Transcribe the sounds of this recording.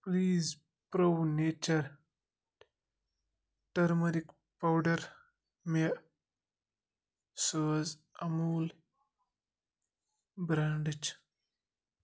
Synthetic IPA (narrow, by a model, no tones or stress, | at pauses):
pliːz | pɾowneːt͡ʃɐɾ | ʈɐɾmɐɾik | pawɖɐɾ | me | səːz | ɐmuːl | bɾaːɳɖɨt͡ʃ